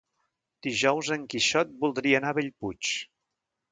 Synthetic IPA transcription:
d̪̥iʒɔwzəŋkiʃɔt̪̚bulˠd̪ɾiənaβeʎput͡ʃ

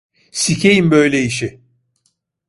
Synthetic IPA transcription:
sicʰejimbø̞jlʲɛiʃɪ

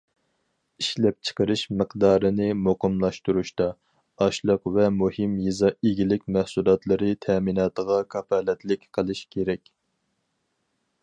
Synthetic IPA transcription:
iʃlɛp̚t͡ʃʰə̥qəɾɨʃməqd̪ɑːɾɨnɨmoqəmlˠɑʃt̪uɾuʃt̪ɑ | ɑʃlˠəqvɛmuhɪmjizɑeɡʲilɪkʲmɛhsulˠɑt̪lˠɨɾɨt̪ʰɛminɑːt̪əʁɑkʰɑpʰɑlɛt̪lɪkʲqʰəlˠɨʃkʲʰeɾɛkʲ

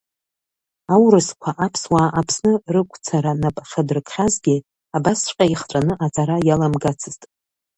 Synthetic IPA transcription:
awrɨskʷʰaʔapʰswaːʔapʰsnɨrɨkʷʼt͡sʰaɾanapʼʂadɨrkʰʼχazɡʲi | abast͡ʃʷqʲʼaiχʈ͡ʂʷʼanɨʔat͡sʼaɾajalamɡat͡sʰɨztʼ

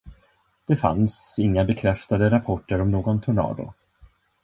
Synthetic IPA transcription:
d̪̥ɛfa̰nsɪŋːabɛkʰɾɛft̪ad̪əɾapʰɔʈːəɾɔmnoːɡɔnt̪ʰʊɳɑ̰ːd̪ʊ̰

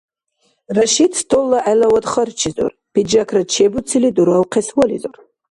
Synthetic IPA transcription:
raʃidstʰolːaʔajlawadχərt͡ʃʰizo̰r | pid͡ʒakʰrat͡ʃʰebut͡sʰiliduɾawqʰeswalizor

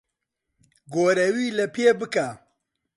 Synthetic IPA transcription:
ɡoːɾɐwiːlɐpʰeːbɨkaː

